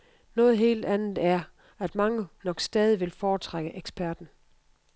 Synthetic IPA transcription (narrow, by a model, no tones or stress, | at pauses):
nɔ̽ːð̞̩ˠɦe̝̰ːld̥ænð̩ˠæɐ | æd̥mɑ̈ŋənɒ̽ɡ̥sd̥ɛːð̞ˠiʋe̝lfɒːt͡sʰʁaɡ̥əʔeɡ̥sb̥æɐd̥n̩